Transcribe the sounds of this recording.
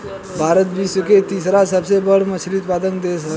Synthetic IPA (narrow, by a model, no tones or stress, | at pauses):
bʱaɾət̪biːsəket̪isɾasəbsebəɽməsɾit̪pad̪ənd̪esə